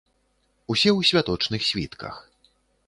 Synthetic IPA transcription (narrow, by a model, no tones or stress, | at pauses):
usʲɛwsʲvʲat̪ɔt͡ʂnɨxsʲvʲḭt̪kʰɐ̰x